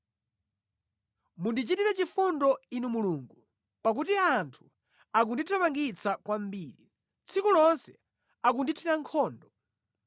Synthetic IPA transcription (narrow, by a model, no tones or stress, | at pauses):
mundit͡ʃitiɾɛt͡ʃifundɔinumuluːŋɡu | pakut̬iantʰu̥ | ak̬unditʰamaŋɡit͡sʰakwam̩biːɾi | t͡sʰikulɔnsɛ | akunditʰiɾaŋkʰɔːndɔ